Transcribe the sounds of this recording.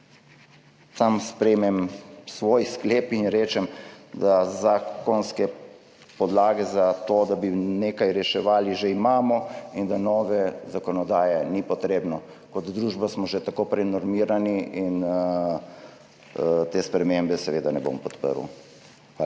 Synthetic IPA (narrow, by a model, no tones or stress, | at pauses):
t̪amspɾɛːmɛmsʋoːjskleːpinɾeːt͡ʃɛmd̪azaːkɔnskɛ | pɔd̪laːɡɛzat̪oːd̪abineːkajɾɛʃɛʋaːliʒeimaːmɔind̪anɔːʋɛzakɔnɔd̪aːjɛnipɔt̪ɾeːbnɔ | kɔd̪d̪ɾuːʒbasmɔʒɛt̪akopɾɛnɔɾmiːɾaniin | t̪eːspɾɛmembɛsɛʋeːd̪anɛbo̰mpɔt̪pə̰ɾṵ | a